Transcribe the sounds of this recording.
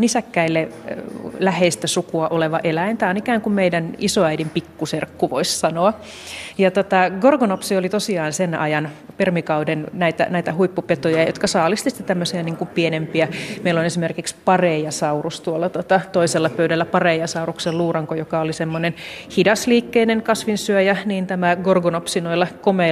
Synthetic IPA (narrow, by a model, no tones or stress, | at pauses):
nisækːæilːe | læheist̪æsukuɑʔoleʋɑʔelæint̪æːonikæːŋkummeidænisoæidimpikːuserkːuʋo̰issɑnoɑ | jɑt̪ot̪ɑɡorɡonopsiolit̪osiɑːnsenɑ̰jɑn | permikɑudennæit̪æ̰næit̪æhuipːupet̪ojɑjo̰t̪kɑsɑːlist̪isi̥t̪ːet̪æmːøsiɑniŋkumpienempiæmeilonesimerkikspɑreːjɑsɑurust̪uolːɑt̪ot̪ɑt̪oiselːɑpøydælːæpɑreijɑsɑurukseluːrɑŋkojokɑolisemːonenhidɑsliːkːeineŋkɑsʋinsyøjæniːnt̪æmæɡorɡonopsinoilːɑkome